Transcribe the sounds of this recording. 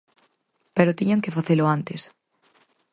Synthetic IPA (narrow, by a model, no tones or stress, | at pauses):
peɾʊt̪iɲaŋkɪfaθelʊant̪es